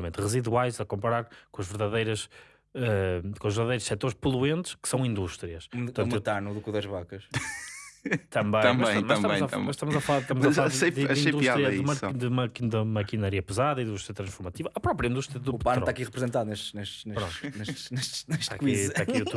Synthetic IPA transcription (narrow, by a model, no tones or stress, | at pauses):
mẽnt̪ʁɨziðwajzɐkõmpɐɾaɾkõɐʒvɨɾðɐðejɾɐʃ | ɛkõɐʒvɨɾðɐðejɾuʃsɛt̪oɾʃpulˠuẽnt̪ɨ̥ʃkɨ̥sɐ̃w̃ĩnd̪uʃt̪ɾiɐʃt̪ɐ̃nt̪anuðukuðɐʒβakɐʃ | t̪ɐ̃mbɐ̃j̃ɐ̃mɐɐ̃jmɐɐʃmb̪ɐm̃j̃zɐmɐʃt̪ɐmuzɐfɐlˠaɾʃt̪ɐmzɐlaeðɐĩejd̪uʃatlɾiɐumɐd̪ɨumɐkd̪ɐmɐkinɐɾiɐpɨzaðɐĩðd̪uʃt̪ɾjɐt̪ɾɐ̃ʃfuɾmɐt̪ivɐʔɐpɾɔpɾjɐĩnuʃt̪ɾiɐðuupant̪akiʁɨpɾɨzẽnt̪aðuneʃt̪neʃt̪nepɾõ̰nt̪neʃt̪neʃneʃt̪akwizakiuu